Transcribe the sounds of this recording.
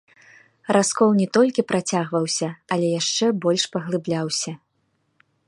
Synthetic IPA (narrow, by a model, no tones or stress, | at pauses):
rʔaskɔlˠnʲɛt̪ɔlʲkʲipɾat͡sʲaɣvɐwsʲɐɐlʲɛjaʂt͡ʂɛbɔlʲʂpɐɣlˠɨblʲawsʲɐ